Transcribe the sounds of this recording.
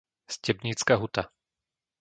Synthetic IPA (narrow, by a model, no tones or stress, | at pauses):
scɛbɲiːt͡skaɦut̪a